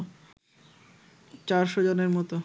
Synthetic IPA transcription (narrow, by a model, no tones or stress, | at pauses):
t͡ɕaɾʃod͡ʑoneɾmɔt̪o